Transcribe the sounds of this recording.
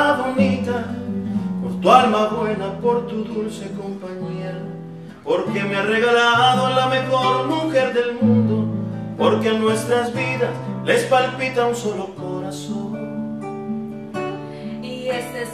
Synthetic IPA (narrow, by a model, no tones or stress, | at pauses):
βo̞nit̪a | po̞ɾt̪ualmaβwe̞napo̞ɾt̪uðulseko̞mpaɲia | po̞ɾke̞meare̞ɣalaaðoalame̞xo̞ɾmuxe̞ɾðe̞lmũnd̪o̞po̞ɾkeanwe̞st̪ɾazβiðasle̞spalpit̪aunso̞lo̞ko̞ɾason | iese